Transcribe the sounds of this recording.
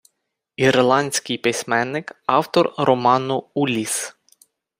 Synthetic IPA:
irlˠɑnʲsʲkɪjpɪsʲmɛnːɪkɑwt̪ɔrɾɔmɑnʊulʲis

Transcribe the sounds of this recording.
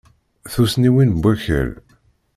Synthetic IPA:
θusniwinbʷːæçə̰ɾ

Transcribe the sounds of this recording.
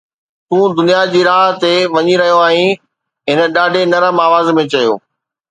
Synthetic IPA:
t̪ũːd̪ʊnijad͡ʑiːɾaːɦt̪eʋɐɲiɾɐɦijoaːĩ | ɦɪnə̆ɗaːɖʱenɐɾəmaːʋaːzmẽt͡ɕɐjo̰ː

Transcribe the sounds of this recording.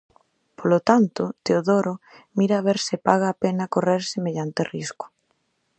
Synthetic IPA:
polot̪ant̪ot̪eoðoɾo | miɾaβ̞eɾsɪpaɣ̞aːpenakoreɾsemeʎant̪erisko̥

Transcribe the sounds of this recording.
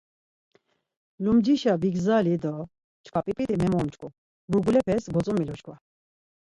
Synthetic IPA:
lumd͡ʒiʃabiɡzalid̪ɔ | t͡ʃkʰapʼipʼit̪ʼimɛmɔmt͡ʃkʰu | buɡulɛpʰɛsɡɔt͡sʼumilɔʃkʰva

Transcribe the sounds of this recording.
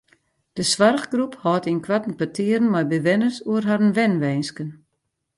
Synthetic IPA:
d̥əsʋarɣɡruphɔːtinkʰwatn̩pətʰɪəɾən̩majbəʋɛnərsuərɦaɾənʋɛnʋɛjnskən

